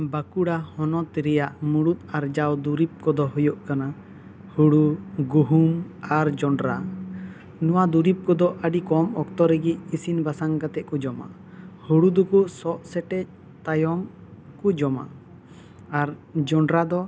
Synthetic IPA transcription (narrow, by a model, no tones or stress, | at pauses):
bakuɽahɔnɔt̪iɾɛjaʔmuɽut̪̚aɾd͡ʒawd̪uɾip̚kɔd̪ɔɦujɔʔkana | huɽuɡuɦumaɾd͡ʒɔɳɖɾa | nɔwad̪uɾip̚kɔd̪ɔʔəɖikɔmɔkt̪ɔɾəɡic̚isinbasaŋkat̪ɛʔ̚kɔd͡ʒɔma̰ | huɽud̪ɔkusɔʔsɛʈɛc̚ | t̪ajɔm | kud͡ʒɔma̰ | aɾd͡ʒɔɳɖɾad̪ɔ